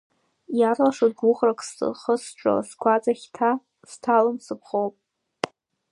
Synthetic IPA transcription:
jarlaʂazɡʊχrakʼsɨ̰χəsʈ͡ʂʼa̰skʷʰat͡sʼaχʲtʰa | stʰalɨmsɨpʰχowpʼ

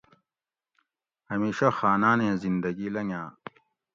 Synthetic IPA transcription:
hɐmeːɕaxaːnaːnẽːzind̪ɐɡilɐŋãː

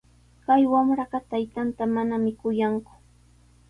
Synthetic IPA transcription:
kajwamɾɑɢɑt̪ajt̪ant̪amanamɪkʊjaŋkʊ̥

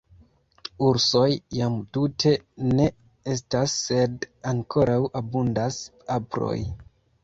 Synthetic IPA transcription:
uɾso̞jːamtutʰe̞ne̞ | e̞stasːe̞daŋkʰo̞ɾʔawʔabundas | apɾo̞̰j

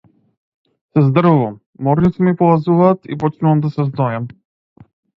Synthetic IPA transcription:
sɛzd̪r̩vuvamːɔɾnit̪simipɔvazuvaːt̪ḭpɔt͡ʃnuvamd̪asɛzd̪ɔjam

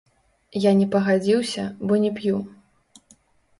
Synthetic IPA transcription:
janʲɛpɐɣad͡zʲiwsʲɐbɔnʲɛpju

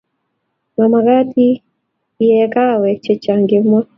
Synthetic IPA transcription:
mamaɡatʰi | jɛkawɛt͡ʃɛt͡ʃaŋɡemɔ

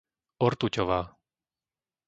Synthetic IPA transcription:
ɔɾt̪ucɔʋaː

